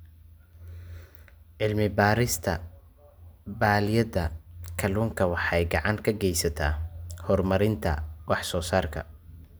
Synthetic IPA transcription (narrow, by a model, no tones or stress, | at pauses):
ʕɪlmɪbaːɾɪst̪ʰɐ̰ | baːlɪjɐðɐkʰɐluːŋkʰɐwɑħɑjɡɑʕɑŋkʰɐɡɛjsɐt̪ʰa̰ːhɔrmɐɾɪnt̪ʰɐ̰wɑħsɔːsaːrkʰɐ̰